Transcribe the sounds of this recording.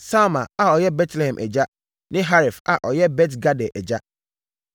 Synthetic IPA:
sa˦mã˨a˨ɔ˨jɛ˦bɛ˦tʰlɛ˨hɛ̃˨mʔɛ̰˨d͡ʑa˦ | nɪ̃˦ɦa˦ɾi˨fa̰˨ʔɔ˨jɛ˦bɛ˦t̬ɡa˦dɛ˨ʔɛ˨d͡ʑa˦

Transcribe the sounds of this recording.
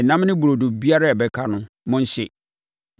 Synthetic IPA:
nã˦m˦nɪ̃˦bu˨ɾo˨do˨bi˦a˦ɾa˦ɛ˨bɛ˨kʰa˨nʊ̃˦ | mʊ̃˦n˦ɕɪ˨

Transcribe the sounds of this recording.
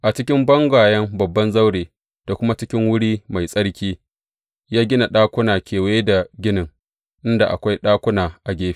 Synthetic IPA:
ʔa˨t͡ʃɪ˦kʲɪ˦mbɐ˦ŋɡʷaː˨jɐ˦mbɐ˨bːɐ˦nza˦wɽeː˨ | d̥a˨kʷʊ˦ma˦t͡ʃɪ˦kʲɪ˦ŋwʊ˦ɽiː˦ma˨jsʼɐ˦ɽkʲiː˦ | jaː˦ɡʲɪ˦na˨ɗaː˦kʷʊ˦naː˨kʲʰeː˨weː˦da˨ɡʲɪ˦nɪ˨ŋ | ʔɪ˦nda˨ʔa̰˨kʷa˦jɗaː˦kʷʊ˦naː˨ʔa˨ɡʲeː˦ɸi̥˦˨

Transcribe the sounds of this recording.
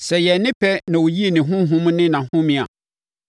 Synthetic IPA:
sɛ˨jɛ˨nɪ̃˦pʰɛ˦nã˨wo˨ji˦e˨nɪ̃˨ɦʊ̃˦ɦʊ̃˦m̃˦nɪ̃˦nã˨hʊ̃˦mĩ˨a̰˨

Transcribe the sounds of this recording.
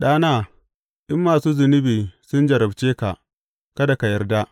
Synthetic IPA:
ɗaː˦naː˦˨ | ʔɪ˦mːaː˨suː˦zʊ˨nɪ˦biː˨sʊ˦nd͡ʒɐ˨ɾɐ˨bt͡ʃeː˦ka˨ʔ | kɐ˦da˨ka˨jɐ˦rdaː˦ʔ

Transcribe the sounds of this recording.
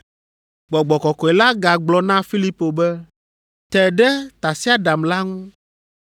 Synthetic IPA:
ɡ͡bɔ˨ɡ͡bɔ˨kɔ˨kɔ˨e˨la˦ɡa˨ɡ͡blɔ˨nã˦fi˦li˦po˨bɛ˦ | t̪ɛ˨ɖɛ˦t̪a˨si˦a˦ɖa˨mla˦ŋũ˦

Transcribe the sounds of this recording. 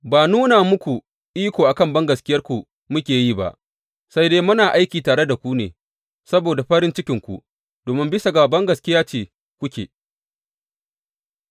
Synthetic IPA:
baː˨nuː˦naː˨mʊ˦kʷu˨ | ʔiː˦kʷoː˨ʔa˨kɐ˦mbɐ˦ŋɡɐ˨skʲɪ˦jɐ˦rkʷu˨ | mʊ˦kʲeː˨jiː˦˨ba̰˦˨ʔ | sa˦jdeː˦mʊ˦naː˨ʔa˦jkʲiː˨taː˨ɽe˦da˨kʷu˦neː˨ | sɐ˦boː˨da˨ɸɐ˦ɽɪ˦nt͡ʃɪ˦kʲɪ˨ŋkʷṵ˨ | d̥oː˨mɪ˦mbɪ˦sa˨ɡa˨bɐ˦ŋɡɐ˨skʲɪ˦jaː˦t͡ʃeː˨ | kʷʊ˦kʲḛː˨

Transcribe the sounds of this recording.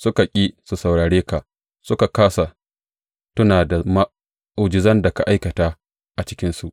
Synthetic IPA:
sʊ˦ka˨kʲʼiː˦su˨sɐ˨wɽaː˨ɽeː˦ka˨ | sʊ˦ka˨kaː˦sa˨ | tʊ˦naː˨da˨ma˦ | ʔʊ˨d͡ʒɪ˨zɐ˦nda˨ka˨ʔa˦jkɐ˨taː˦ | ʔa˨t͡ʃɪ̥˦kʲɪ˦nsu˨ʔ

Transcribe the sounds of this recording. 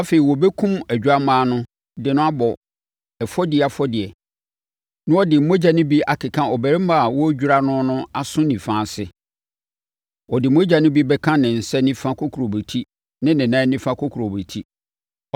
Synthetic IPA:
a˦fe˨i˨wɔ˨bɛ˦kʰũ˦mæ˨d͡ʑᶣa˦mãː˦nʊ̃˦ | dɪ˨nʊ̃˦a˦bɔ˨ | ɛ˨fɔ˦dɪ˨a˨fɔ˦dɪ˨ɛ˨ | nʊ̃˦ɔ˦dɪ˨m̩˦mo˦d͡ʑa˨nɪ̃˦bi˦a˨kʰɪ˨kʰã˦ɔ˨bæ˨ɾɪ˦mã˨a˨wɔ˦d͡ʑᶣu˦ɾa˦nʊ̃˦nʊ̃˦a˦sʊ̃˦nĩ˨fãː˦˨sɪ˦ | wɔ˨dɪ˨m˦o˦d͡ʑa˨nɪ̃˦bi˦bɛ˦kʰã˦nɪ̃˨n̩˨sɛ˦nĩ˦fã˦kʰo˦kʰu˨ɾo˨be˨tʰi˦ | nɪ̃˦nɪ̃˨nã˦nĩ˦fã˦kʰo˦kʰu˨ɾo˨be˨tʰi˦

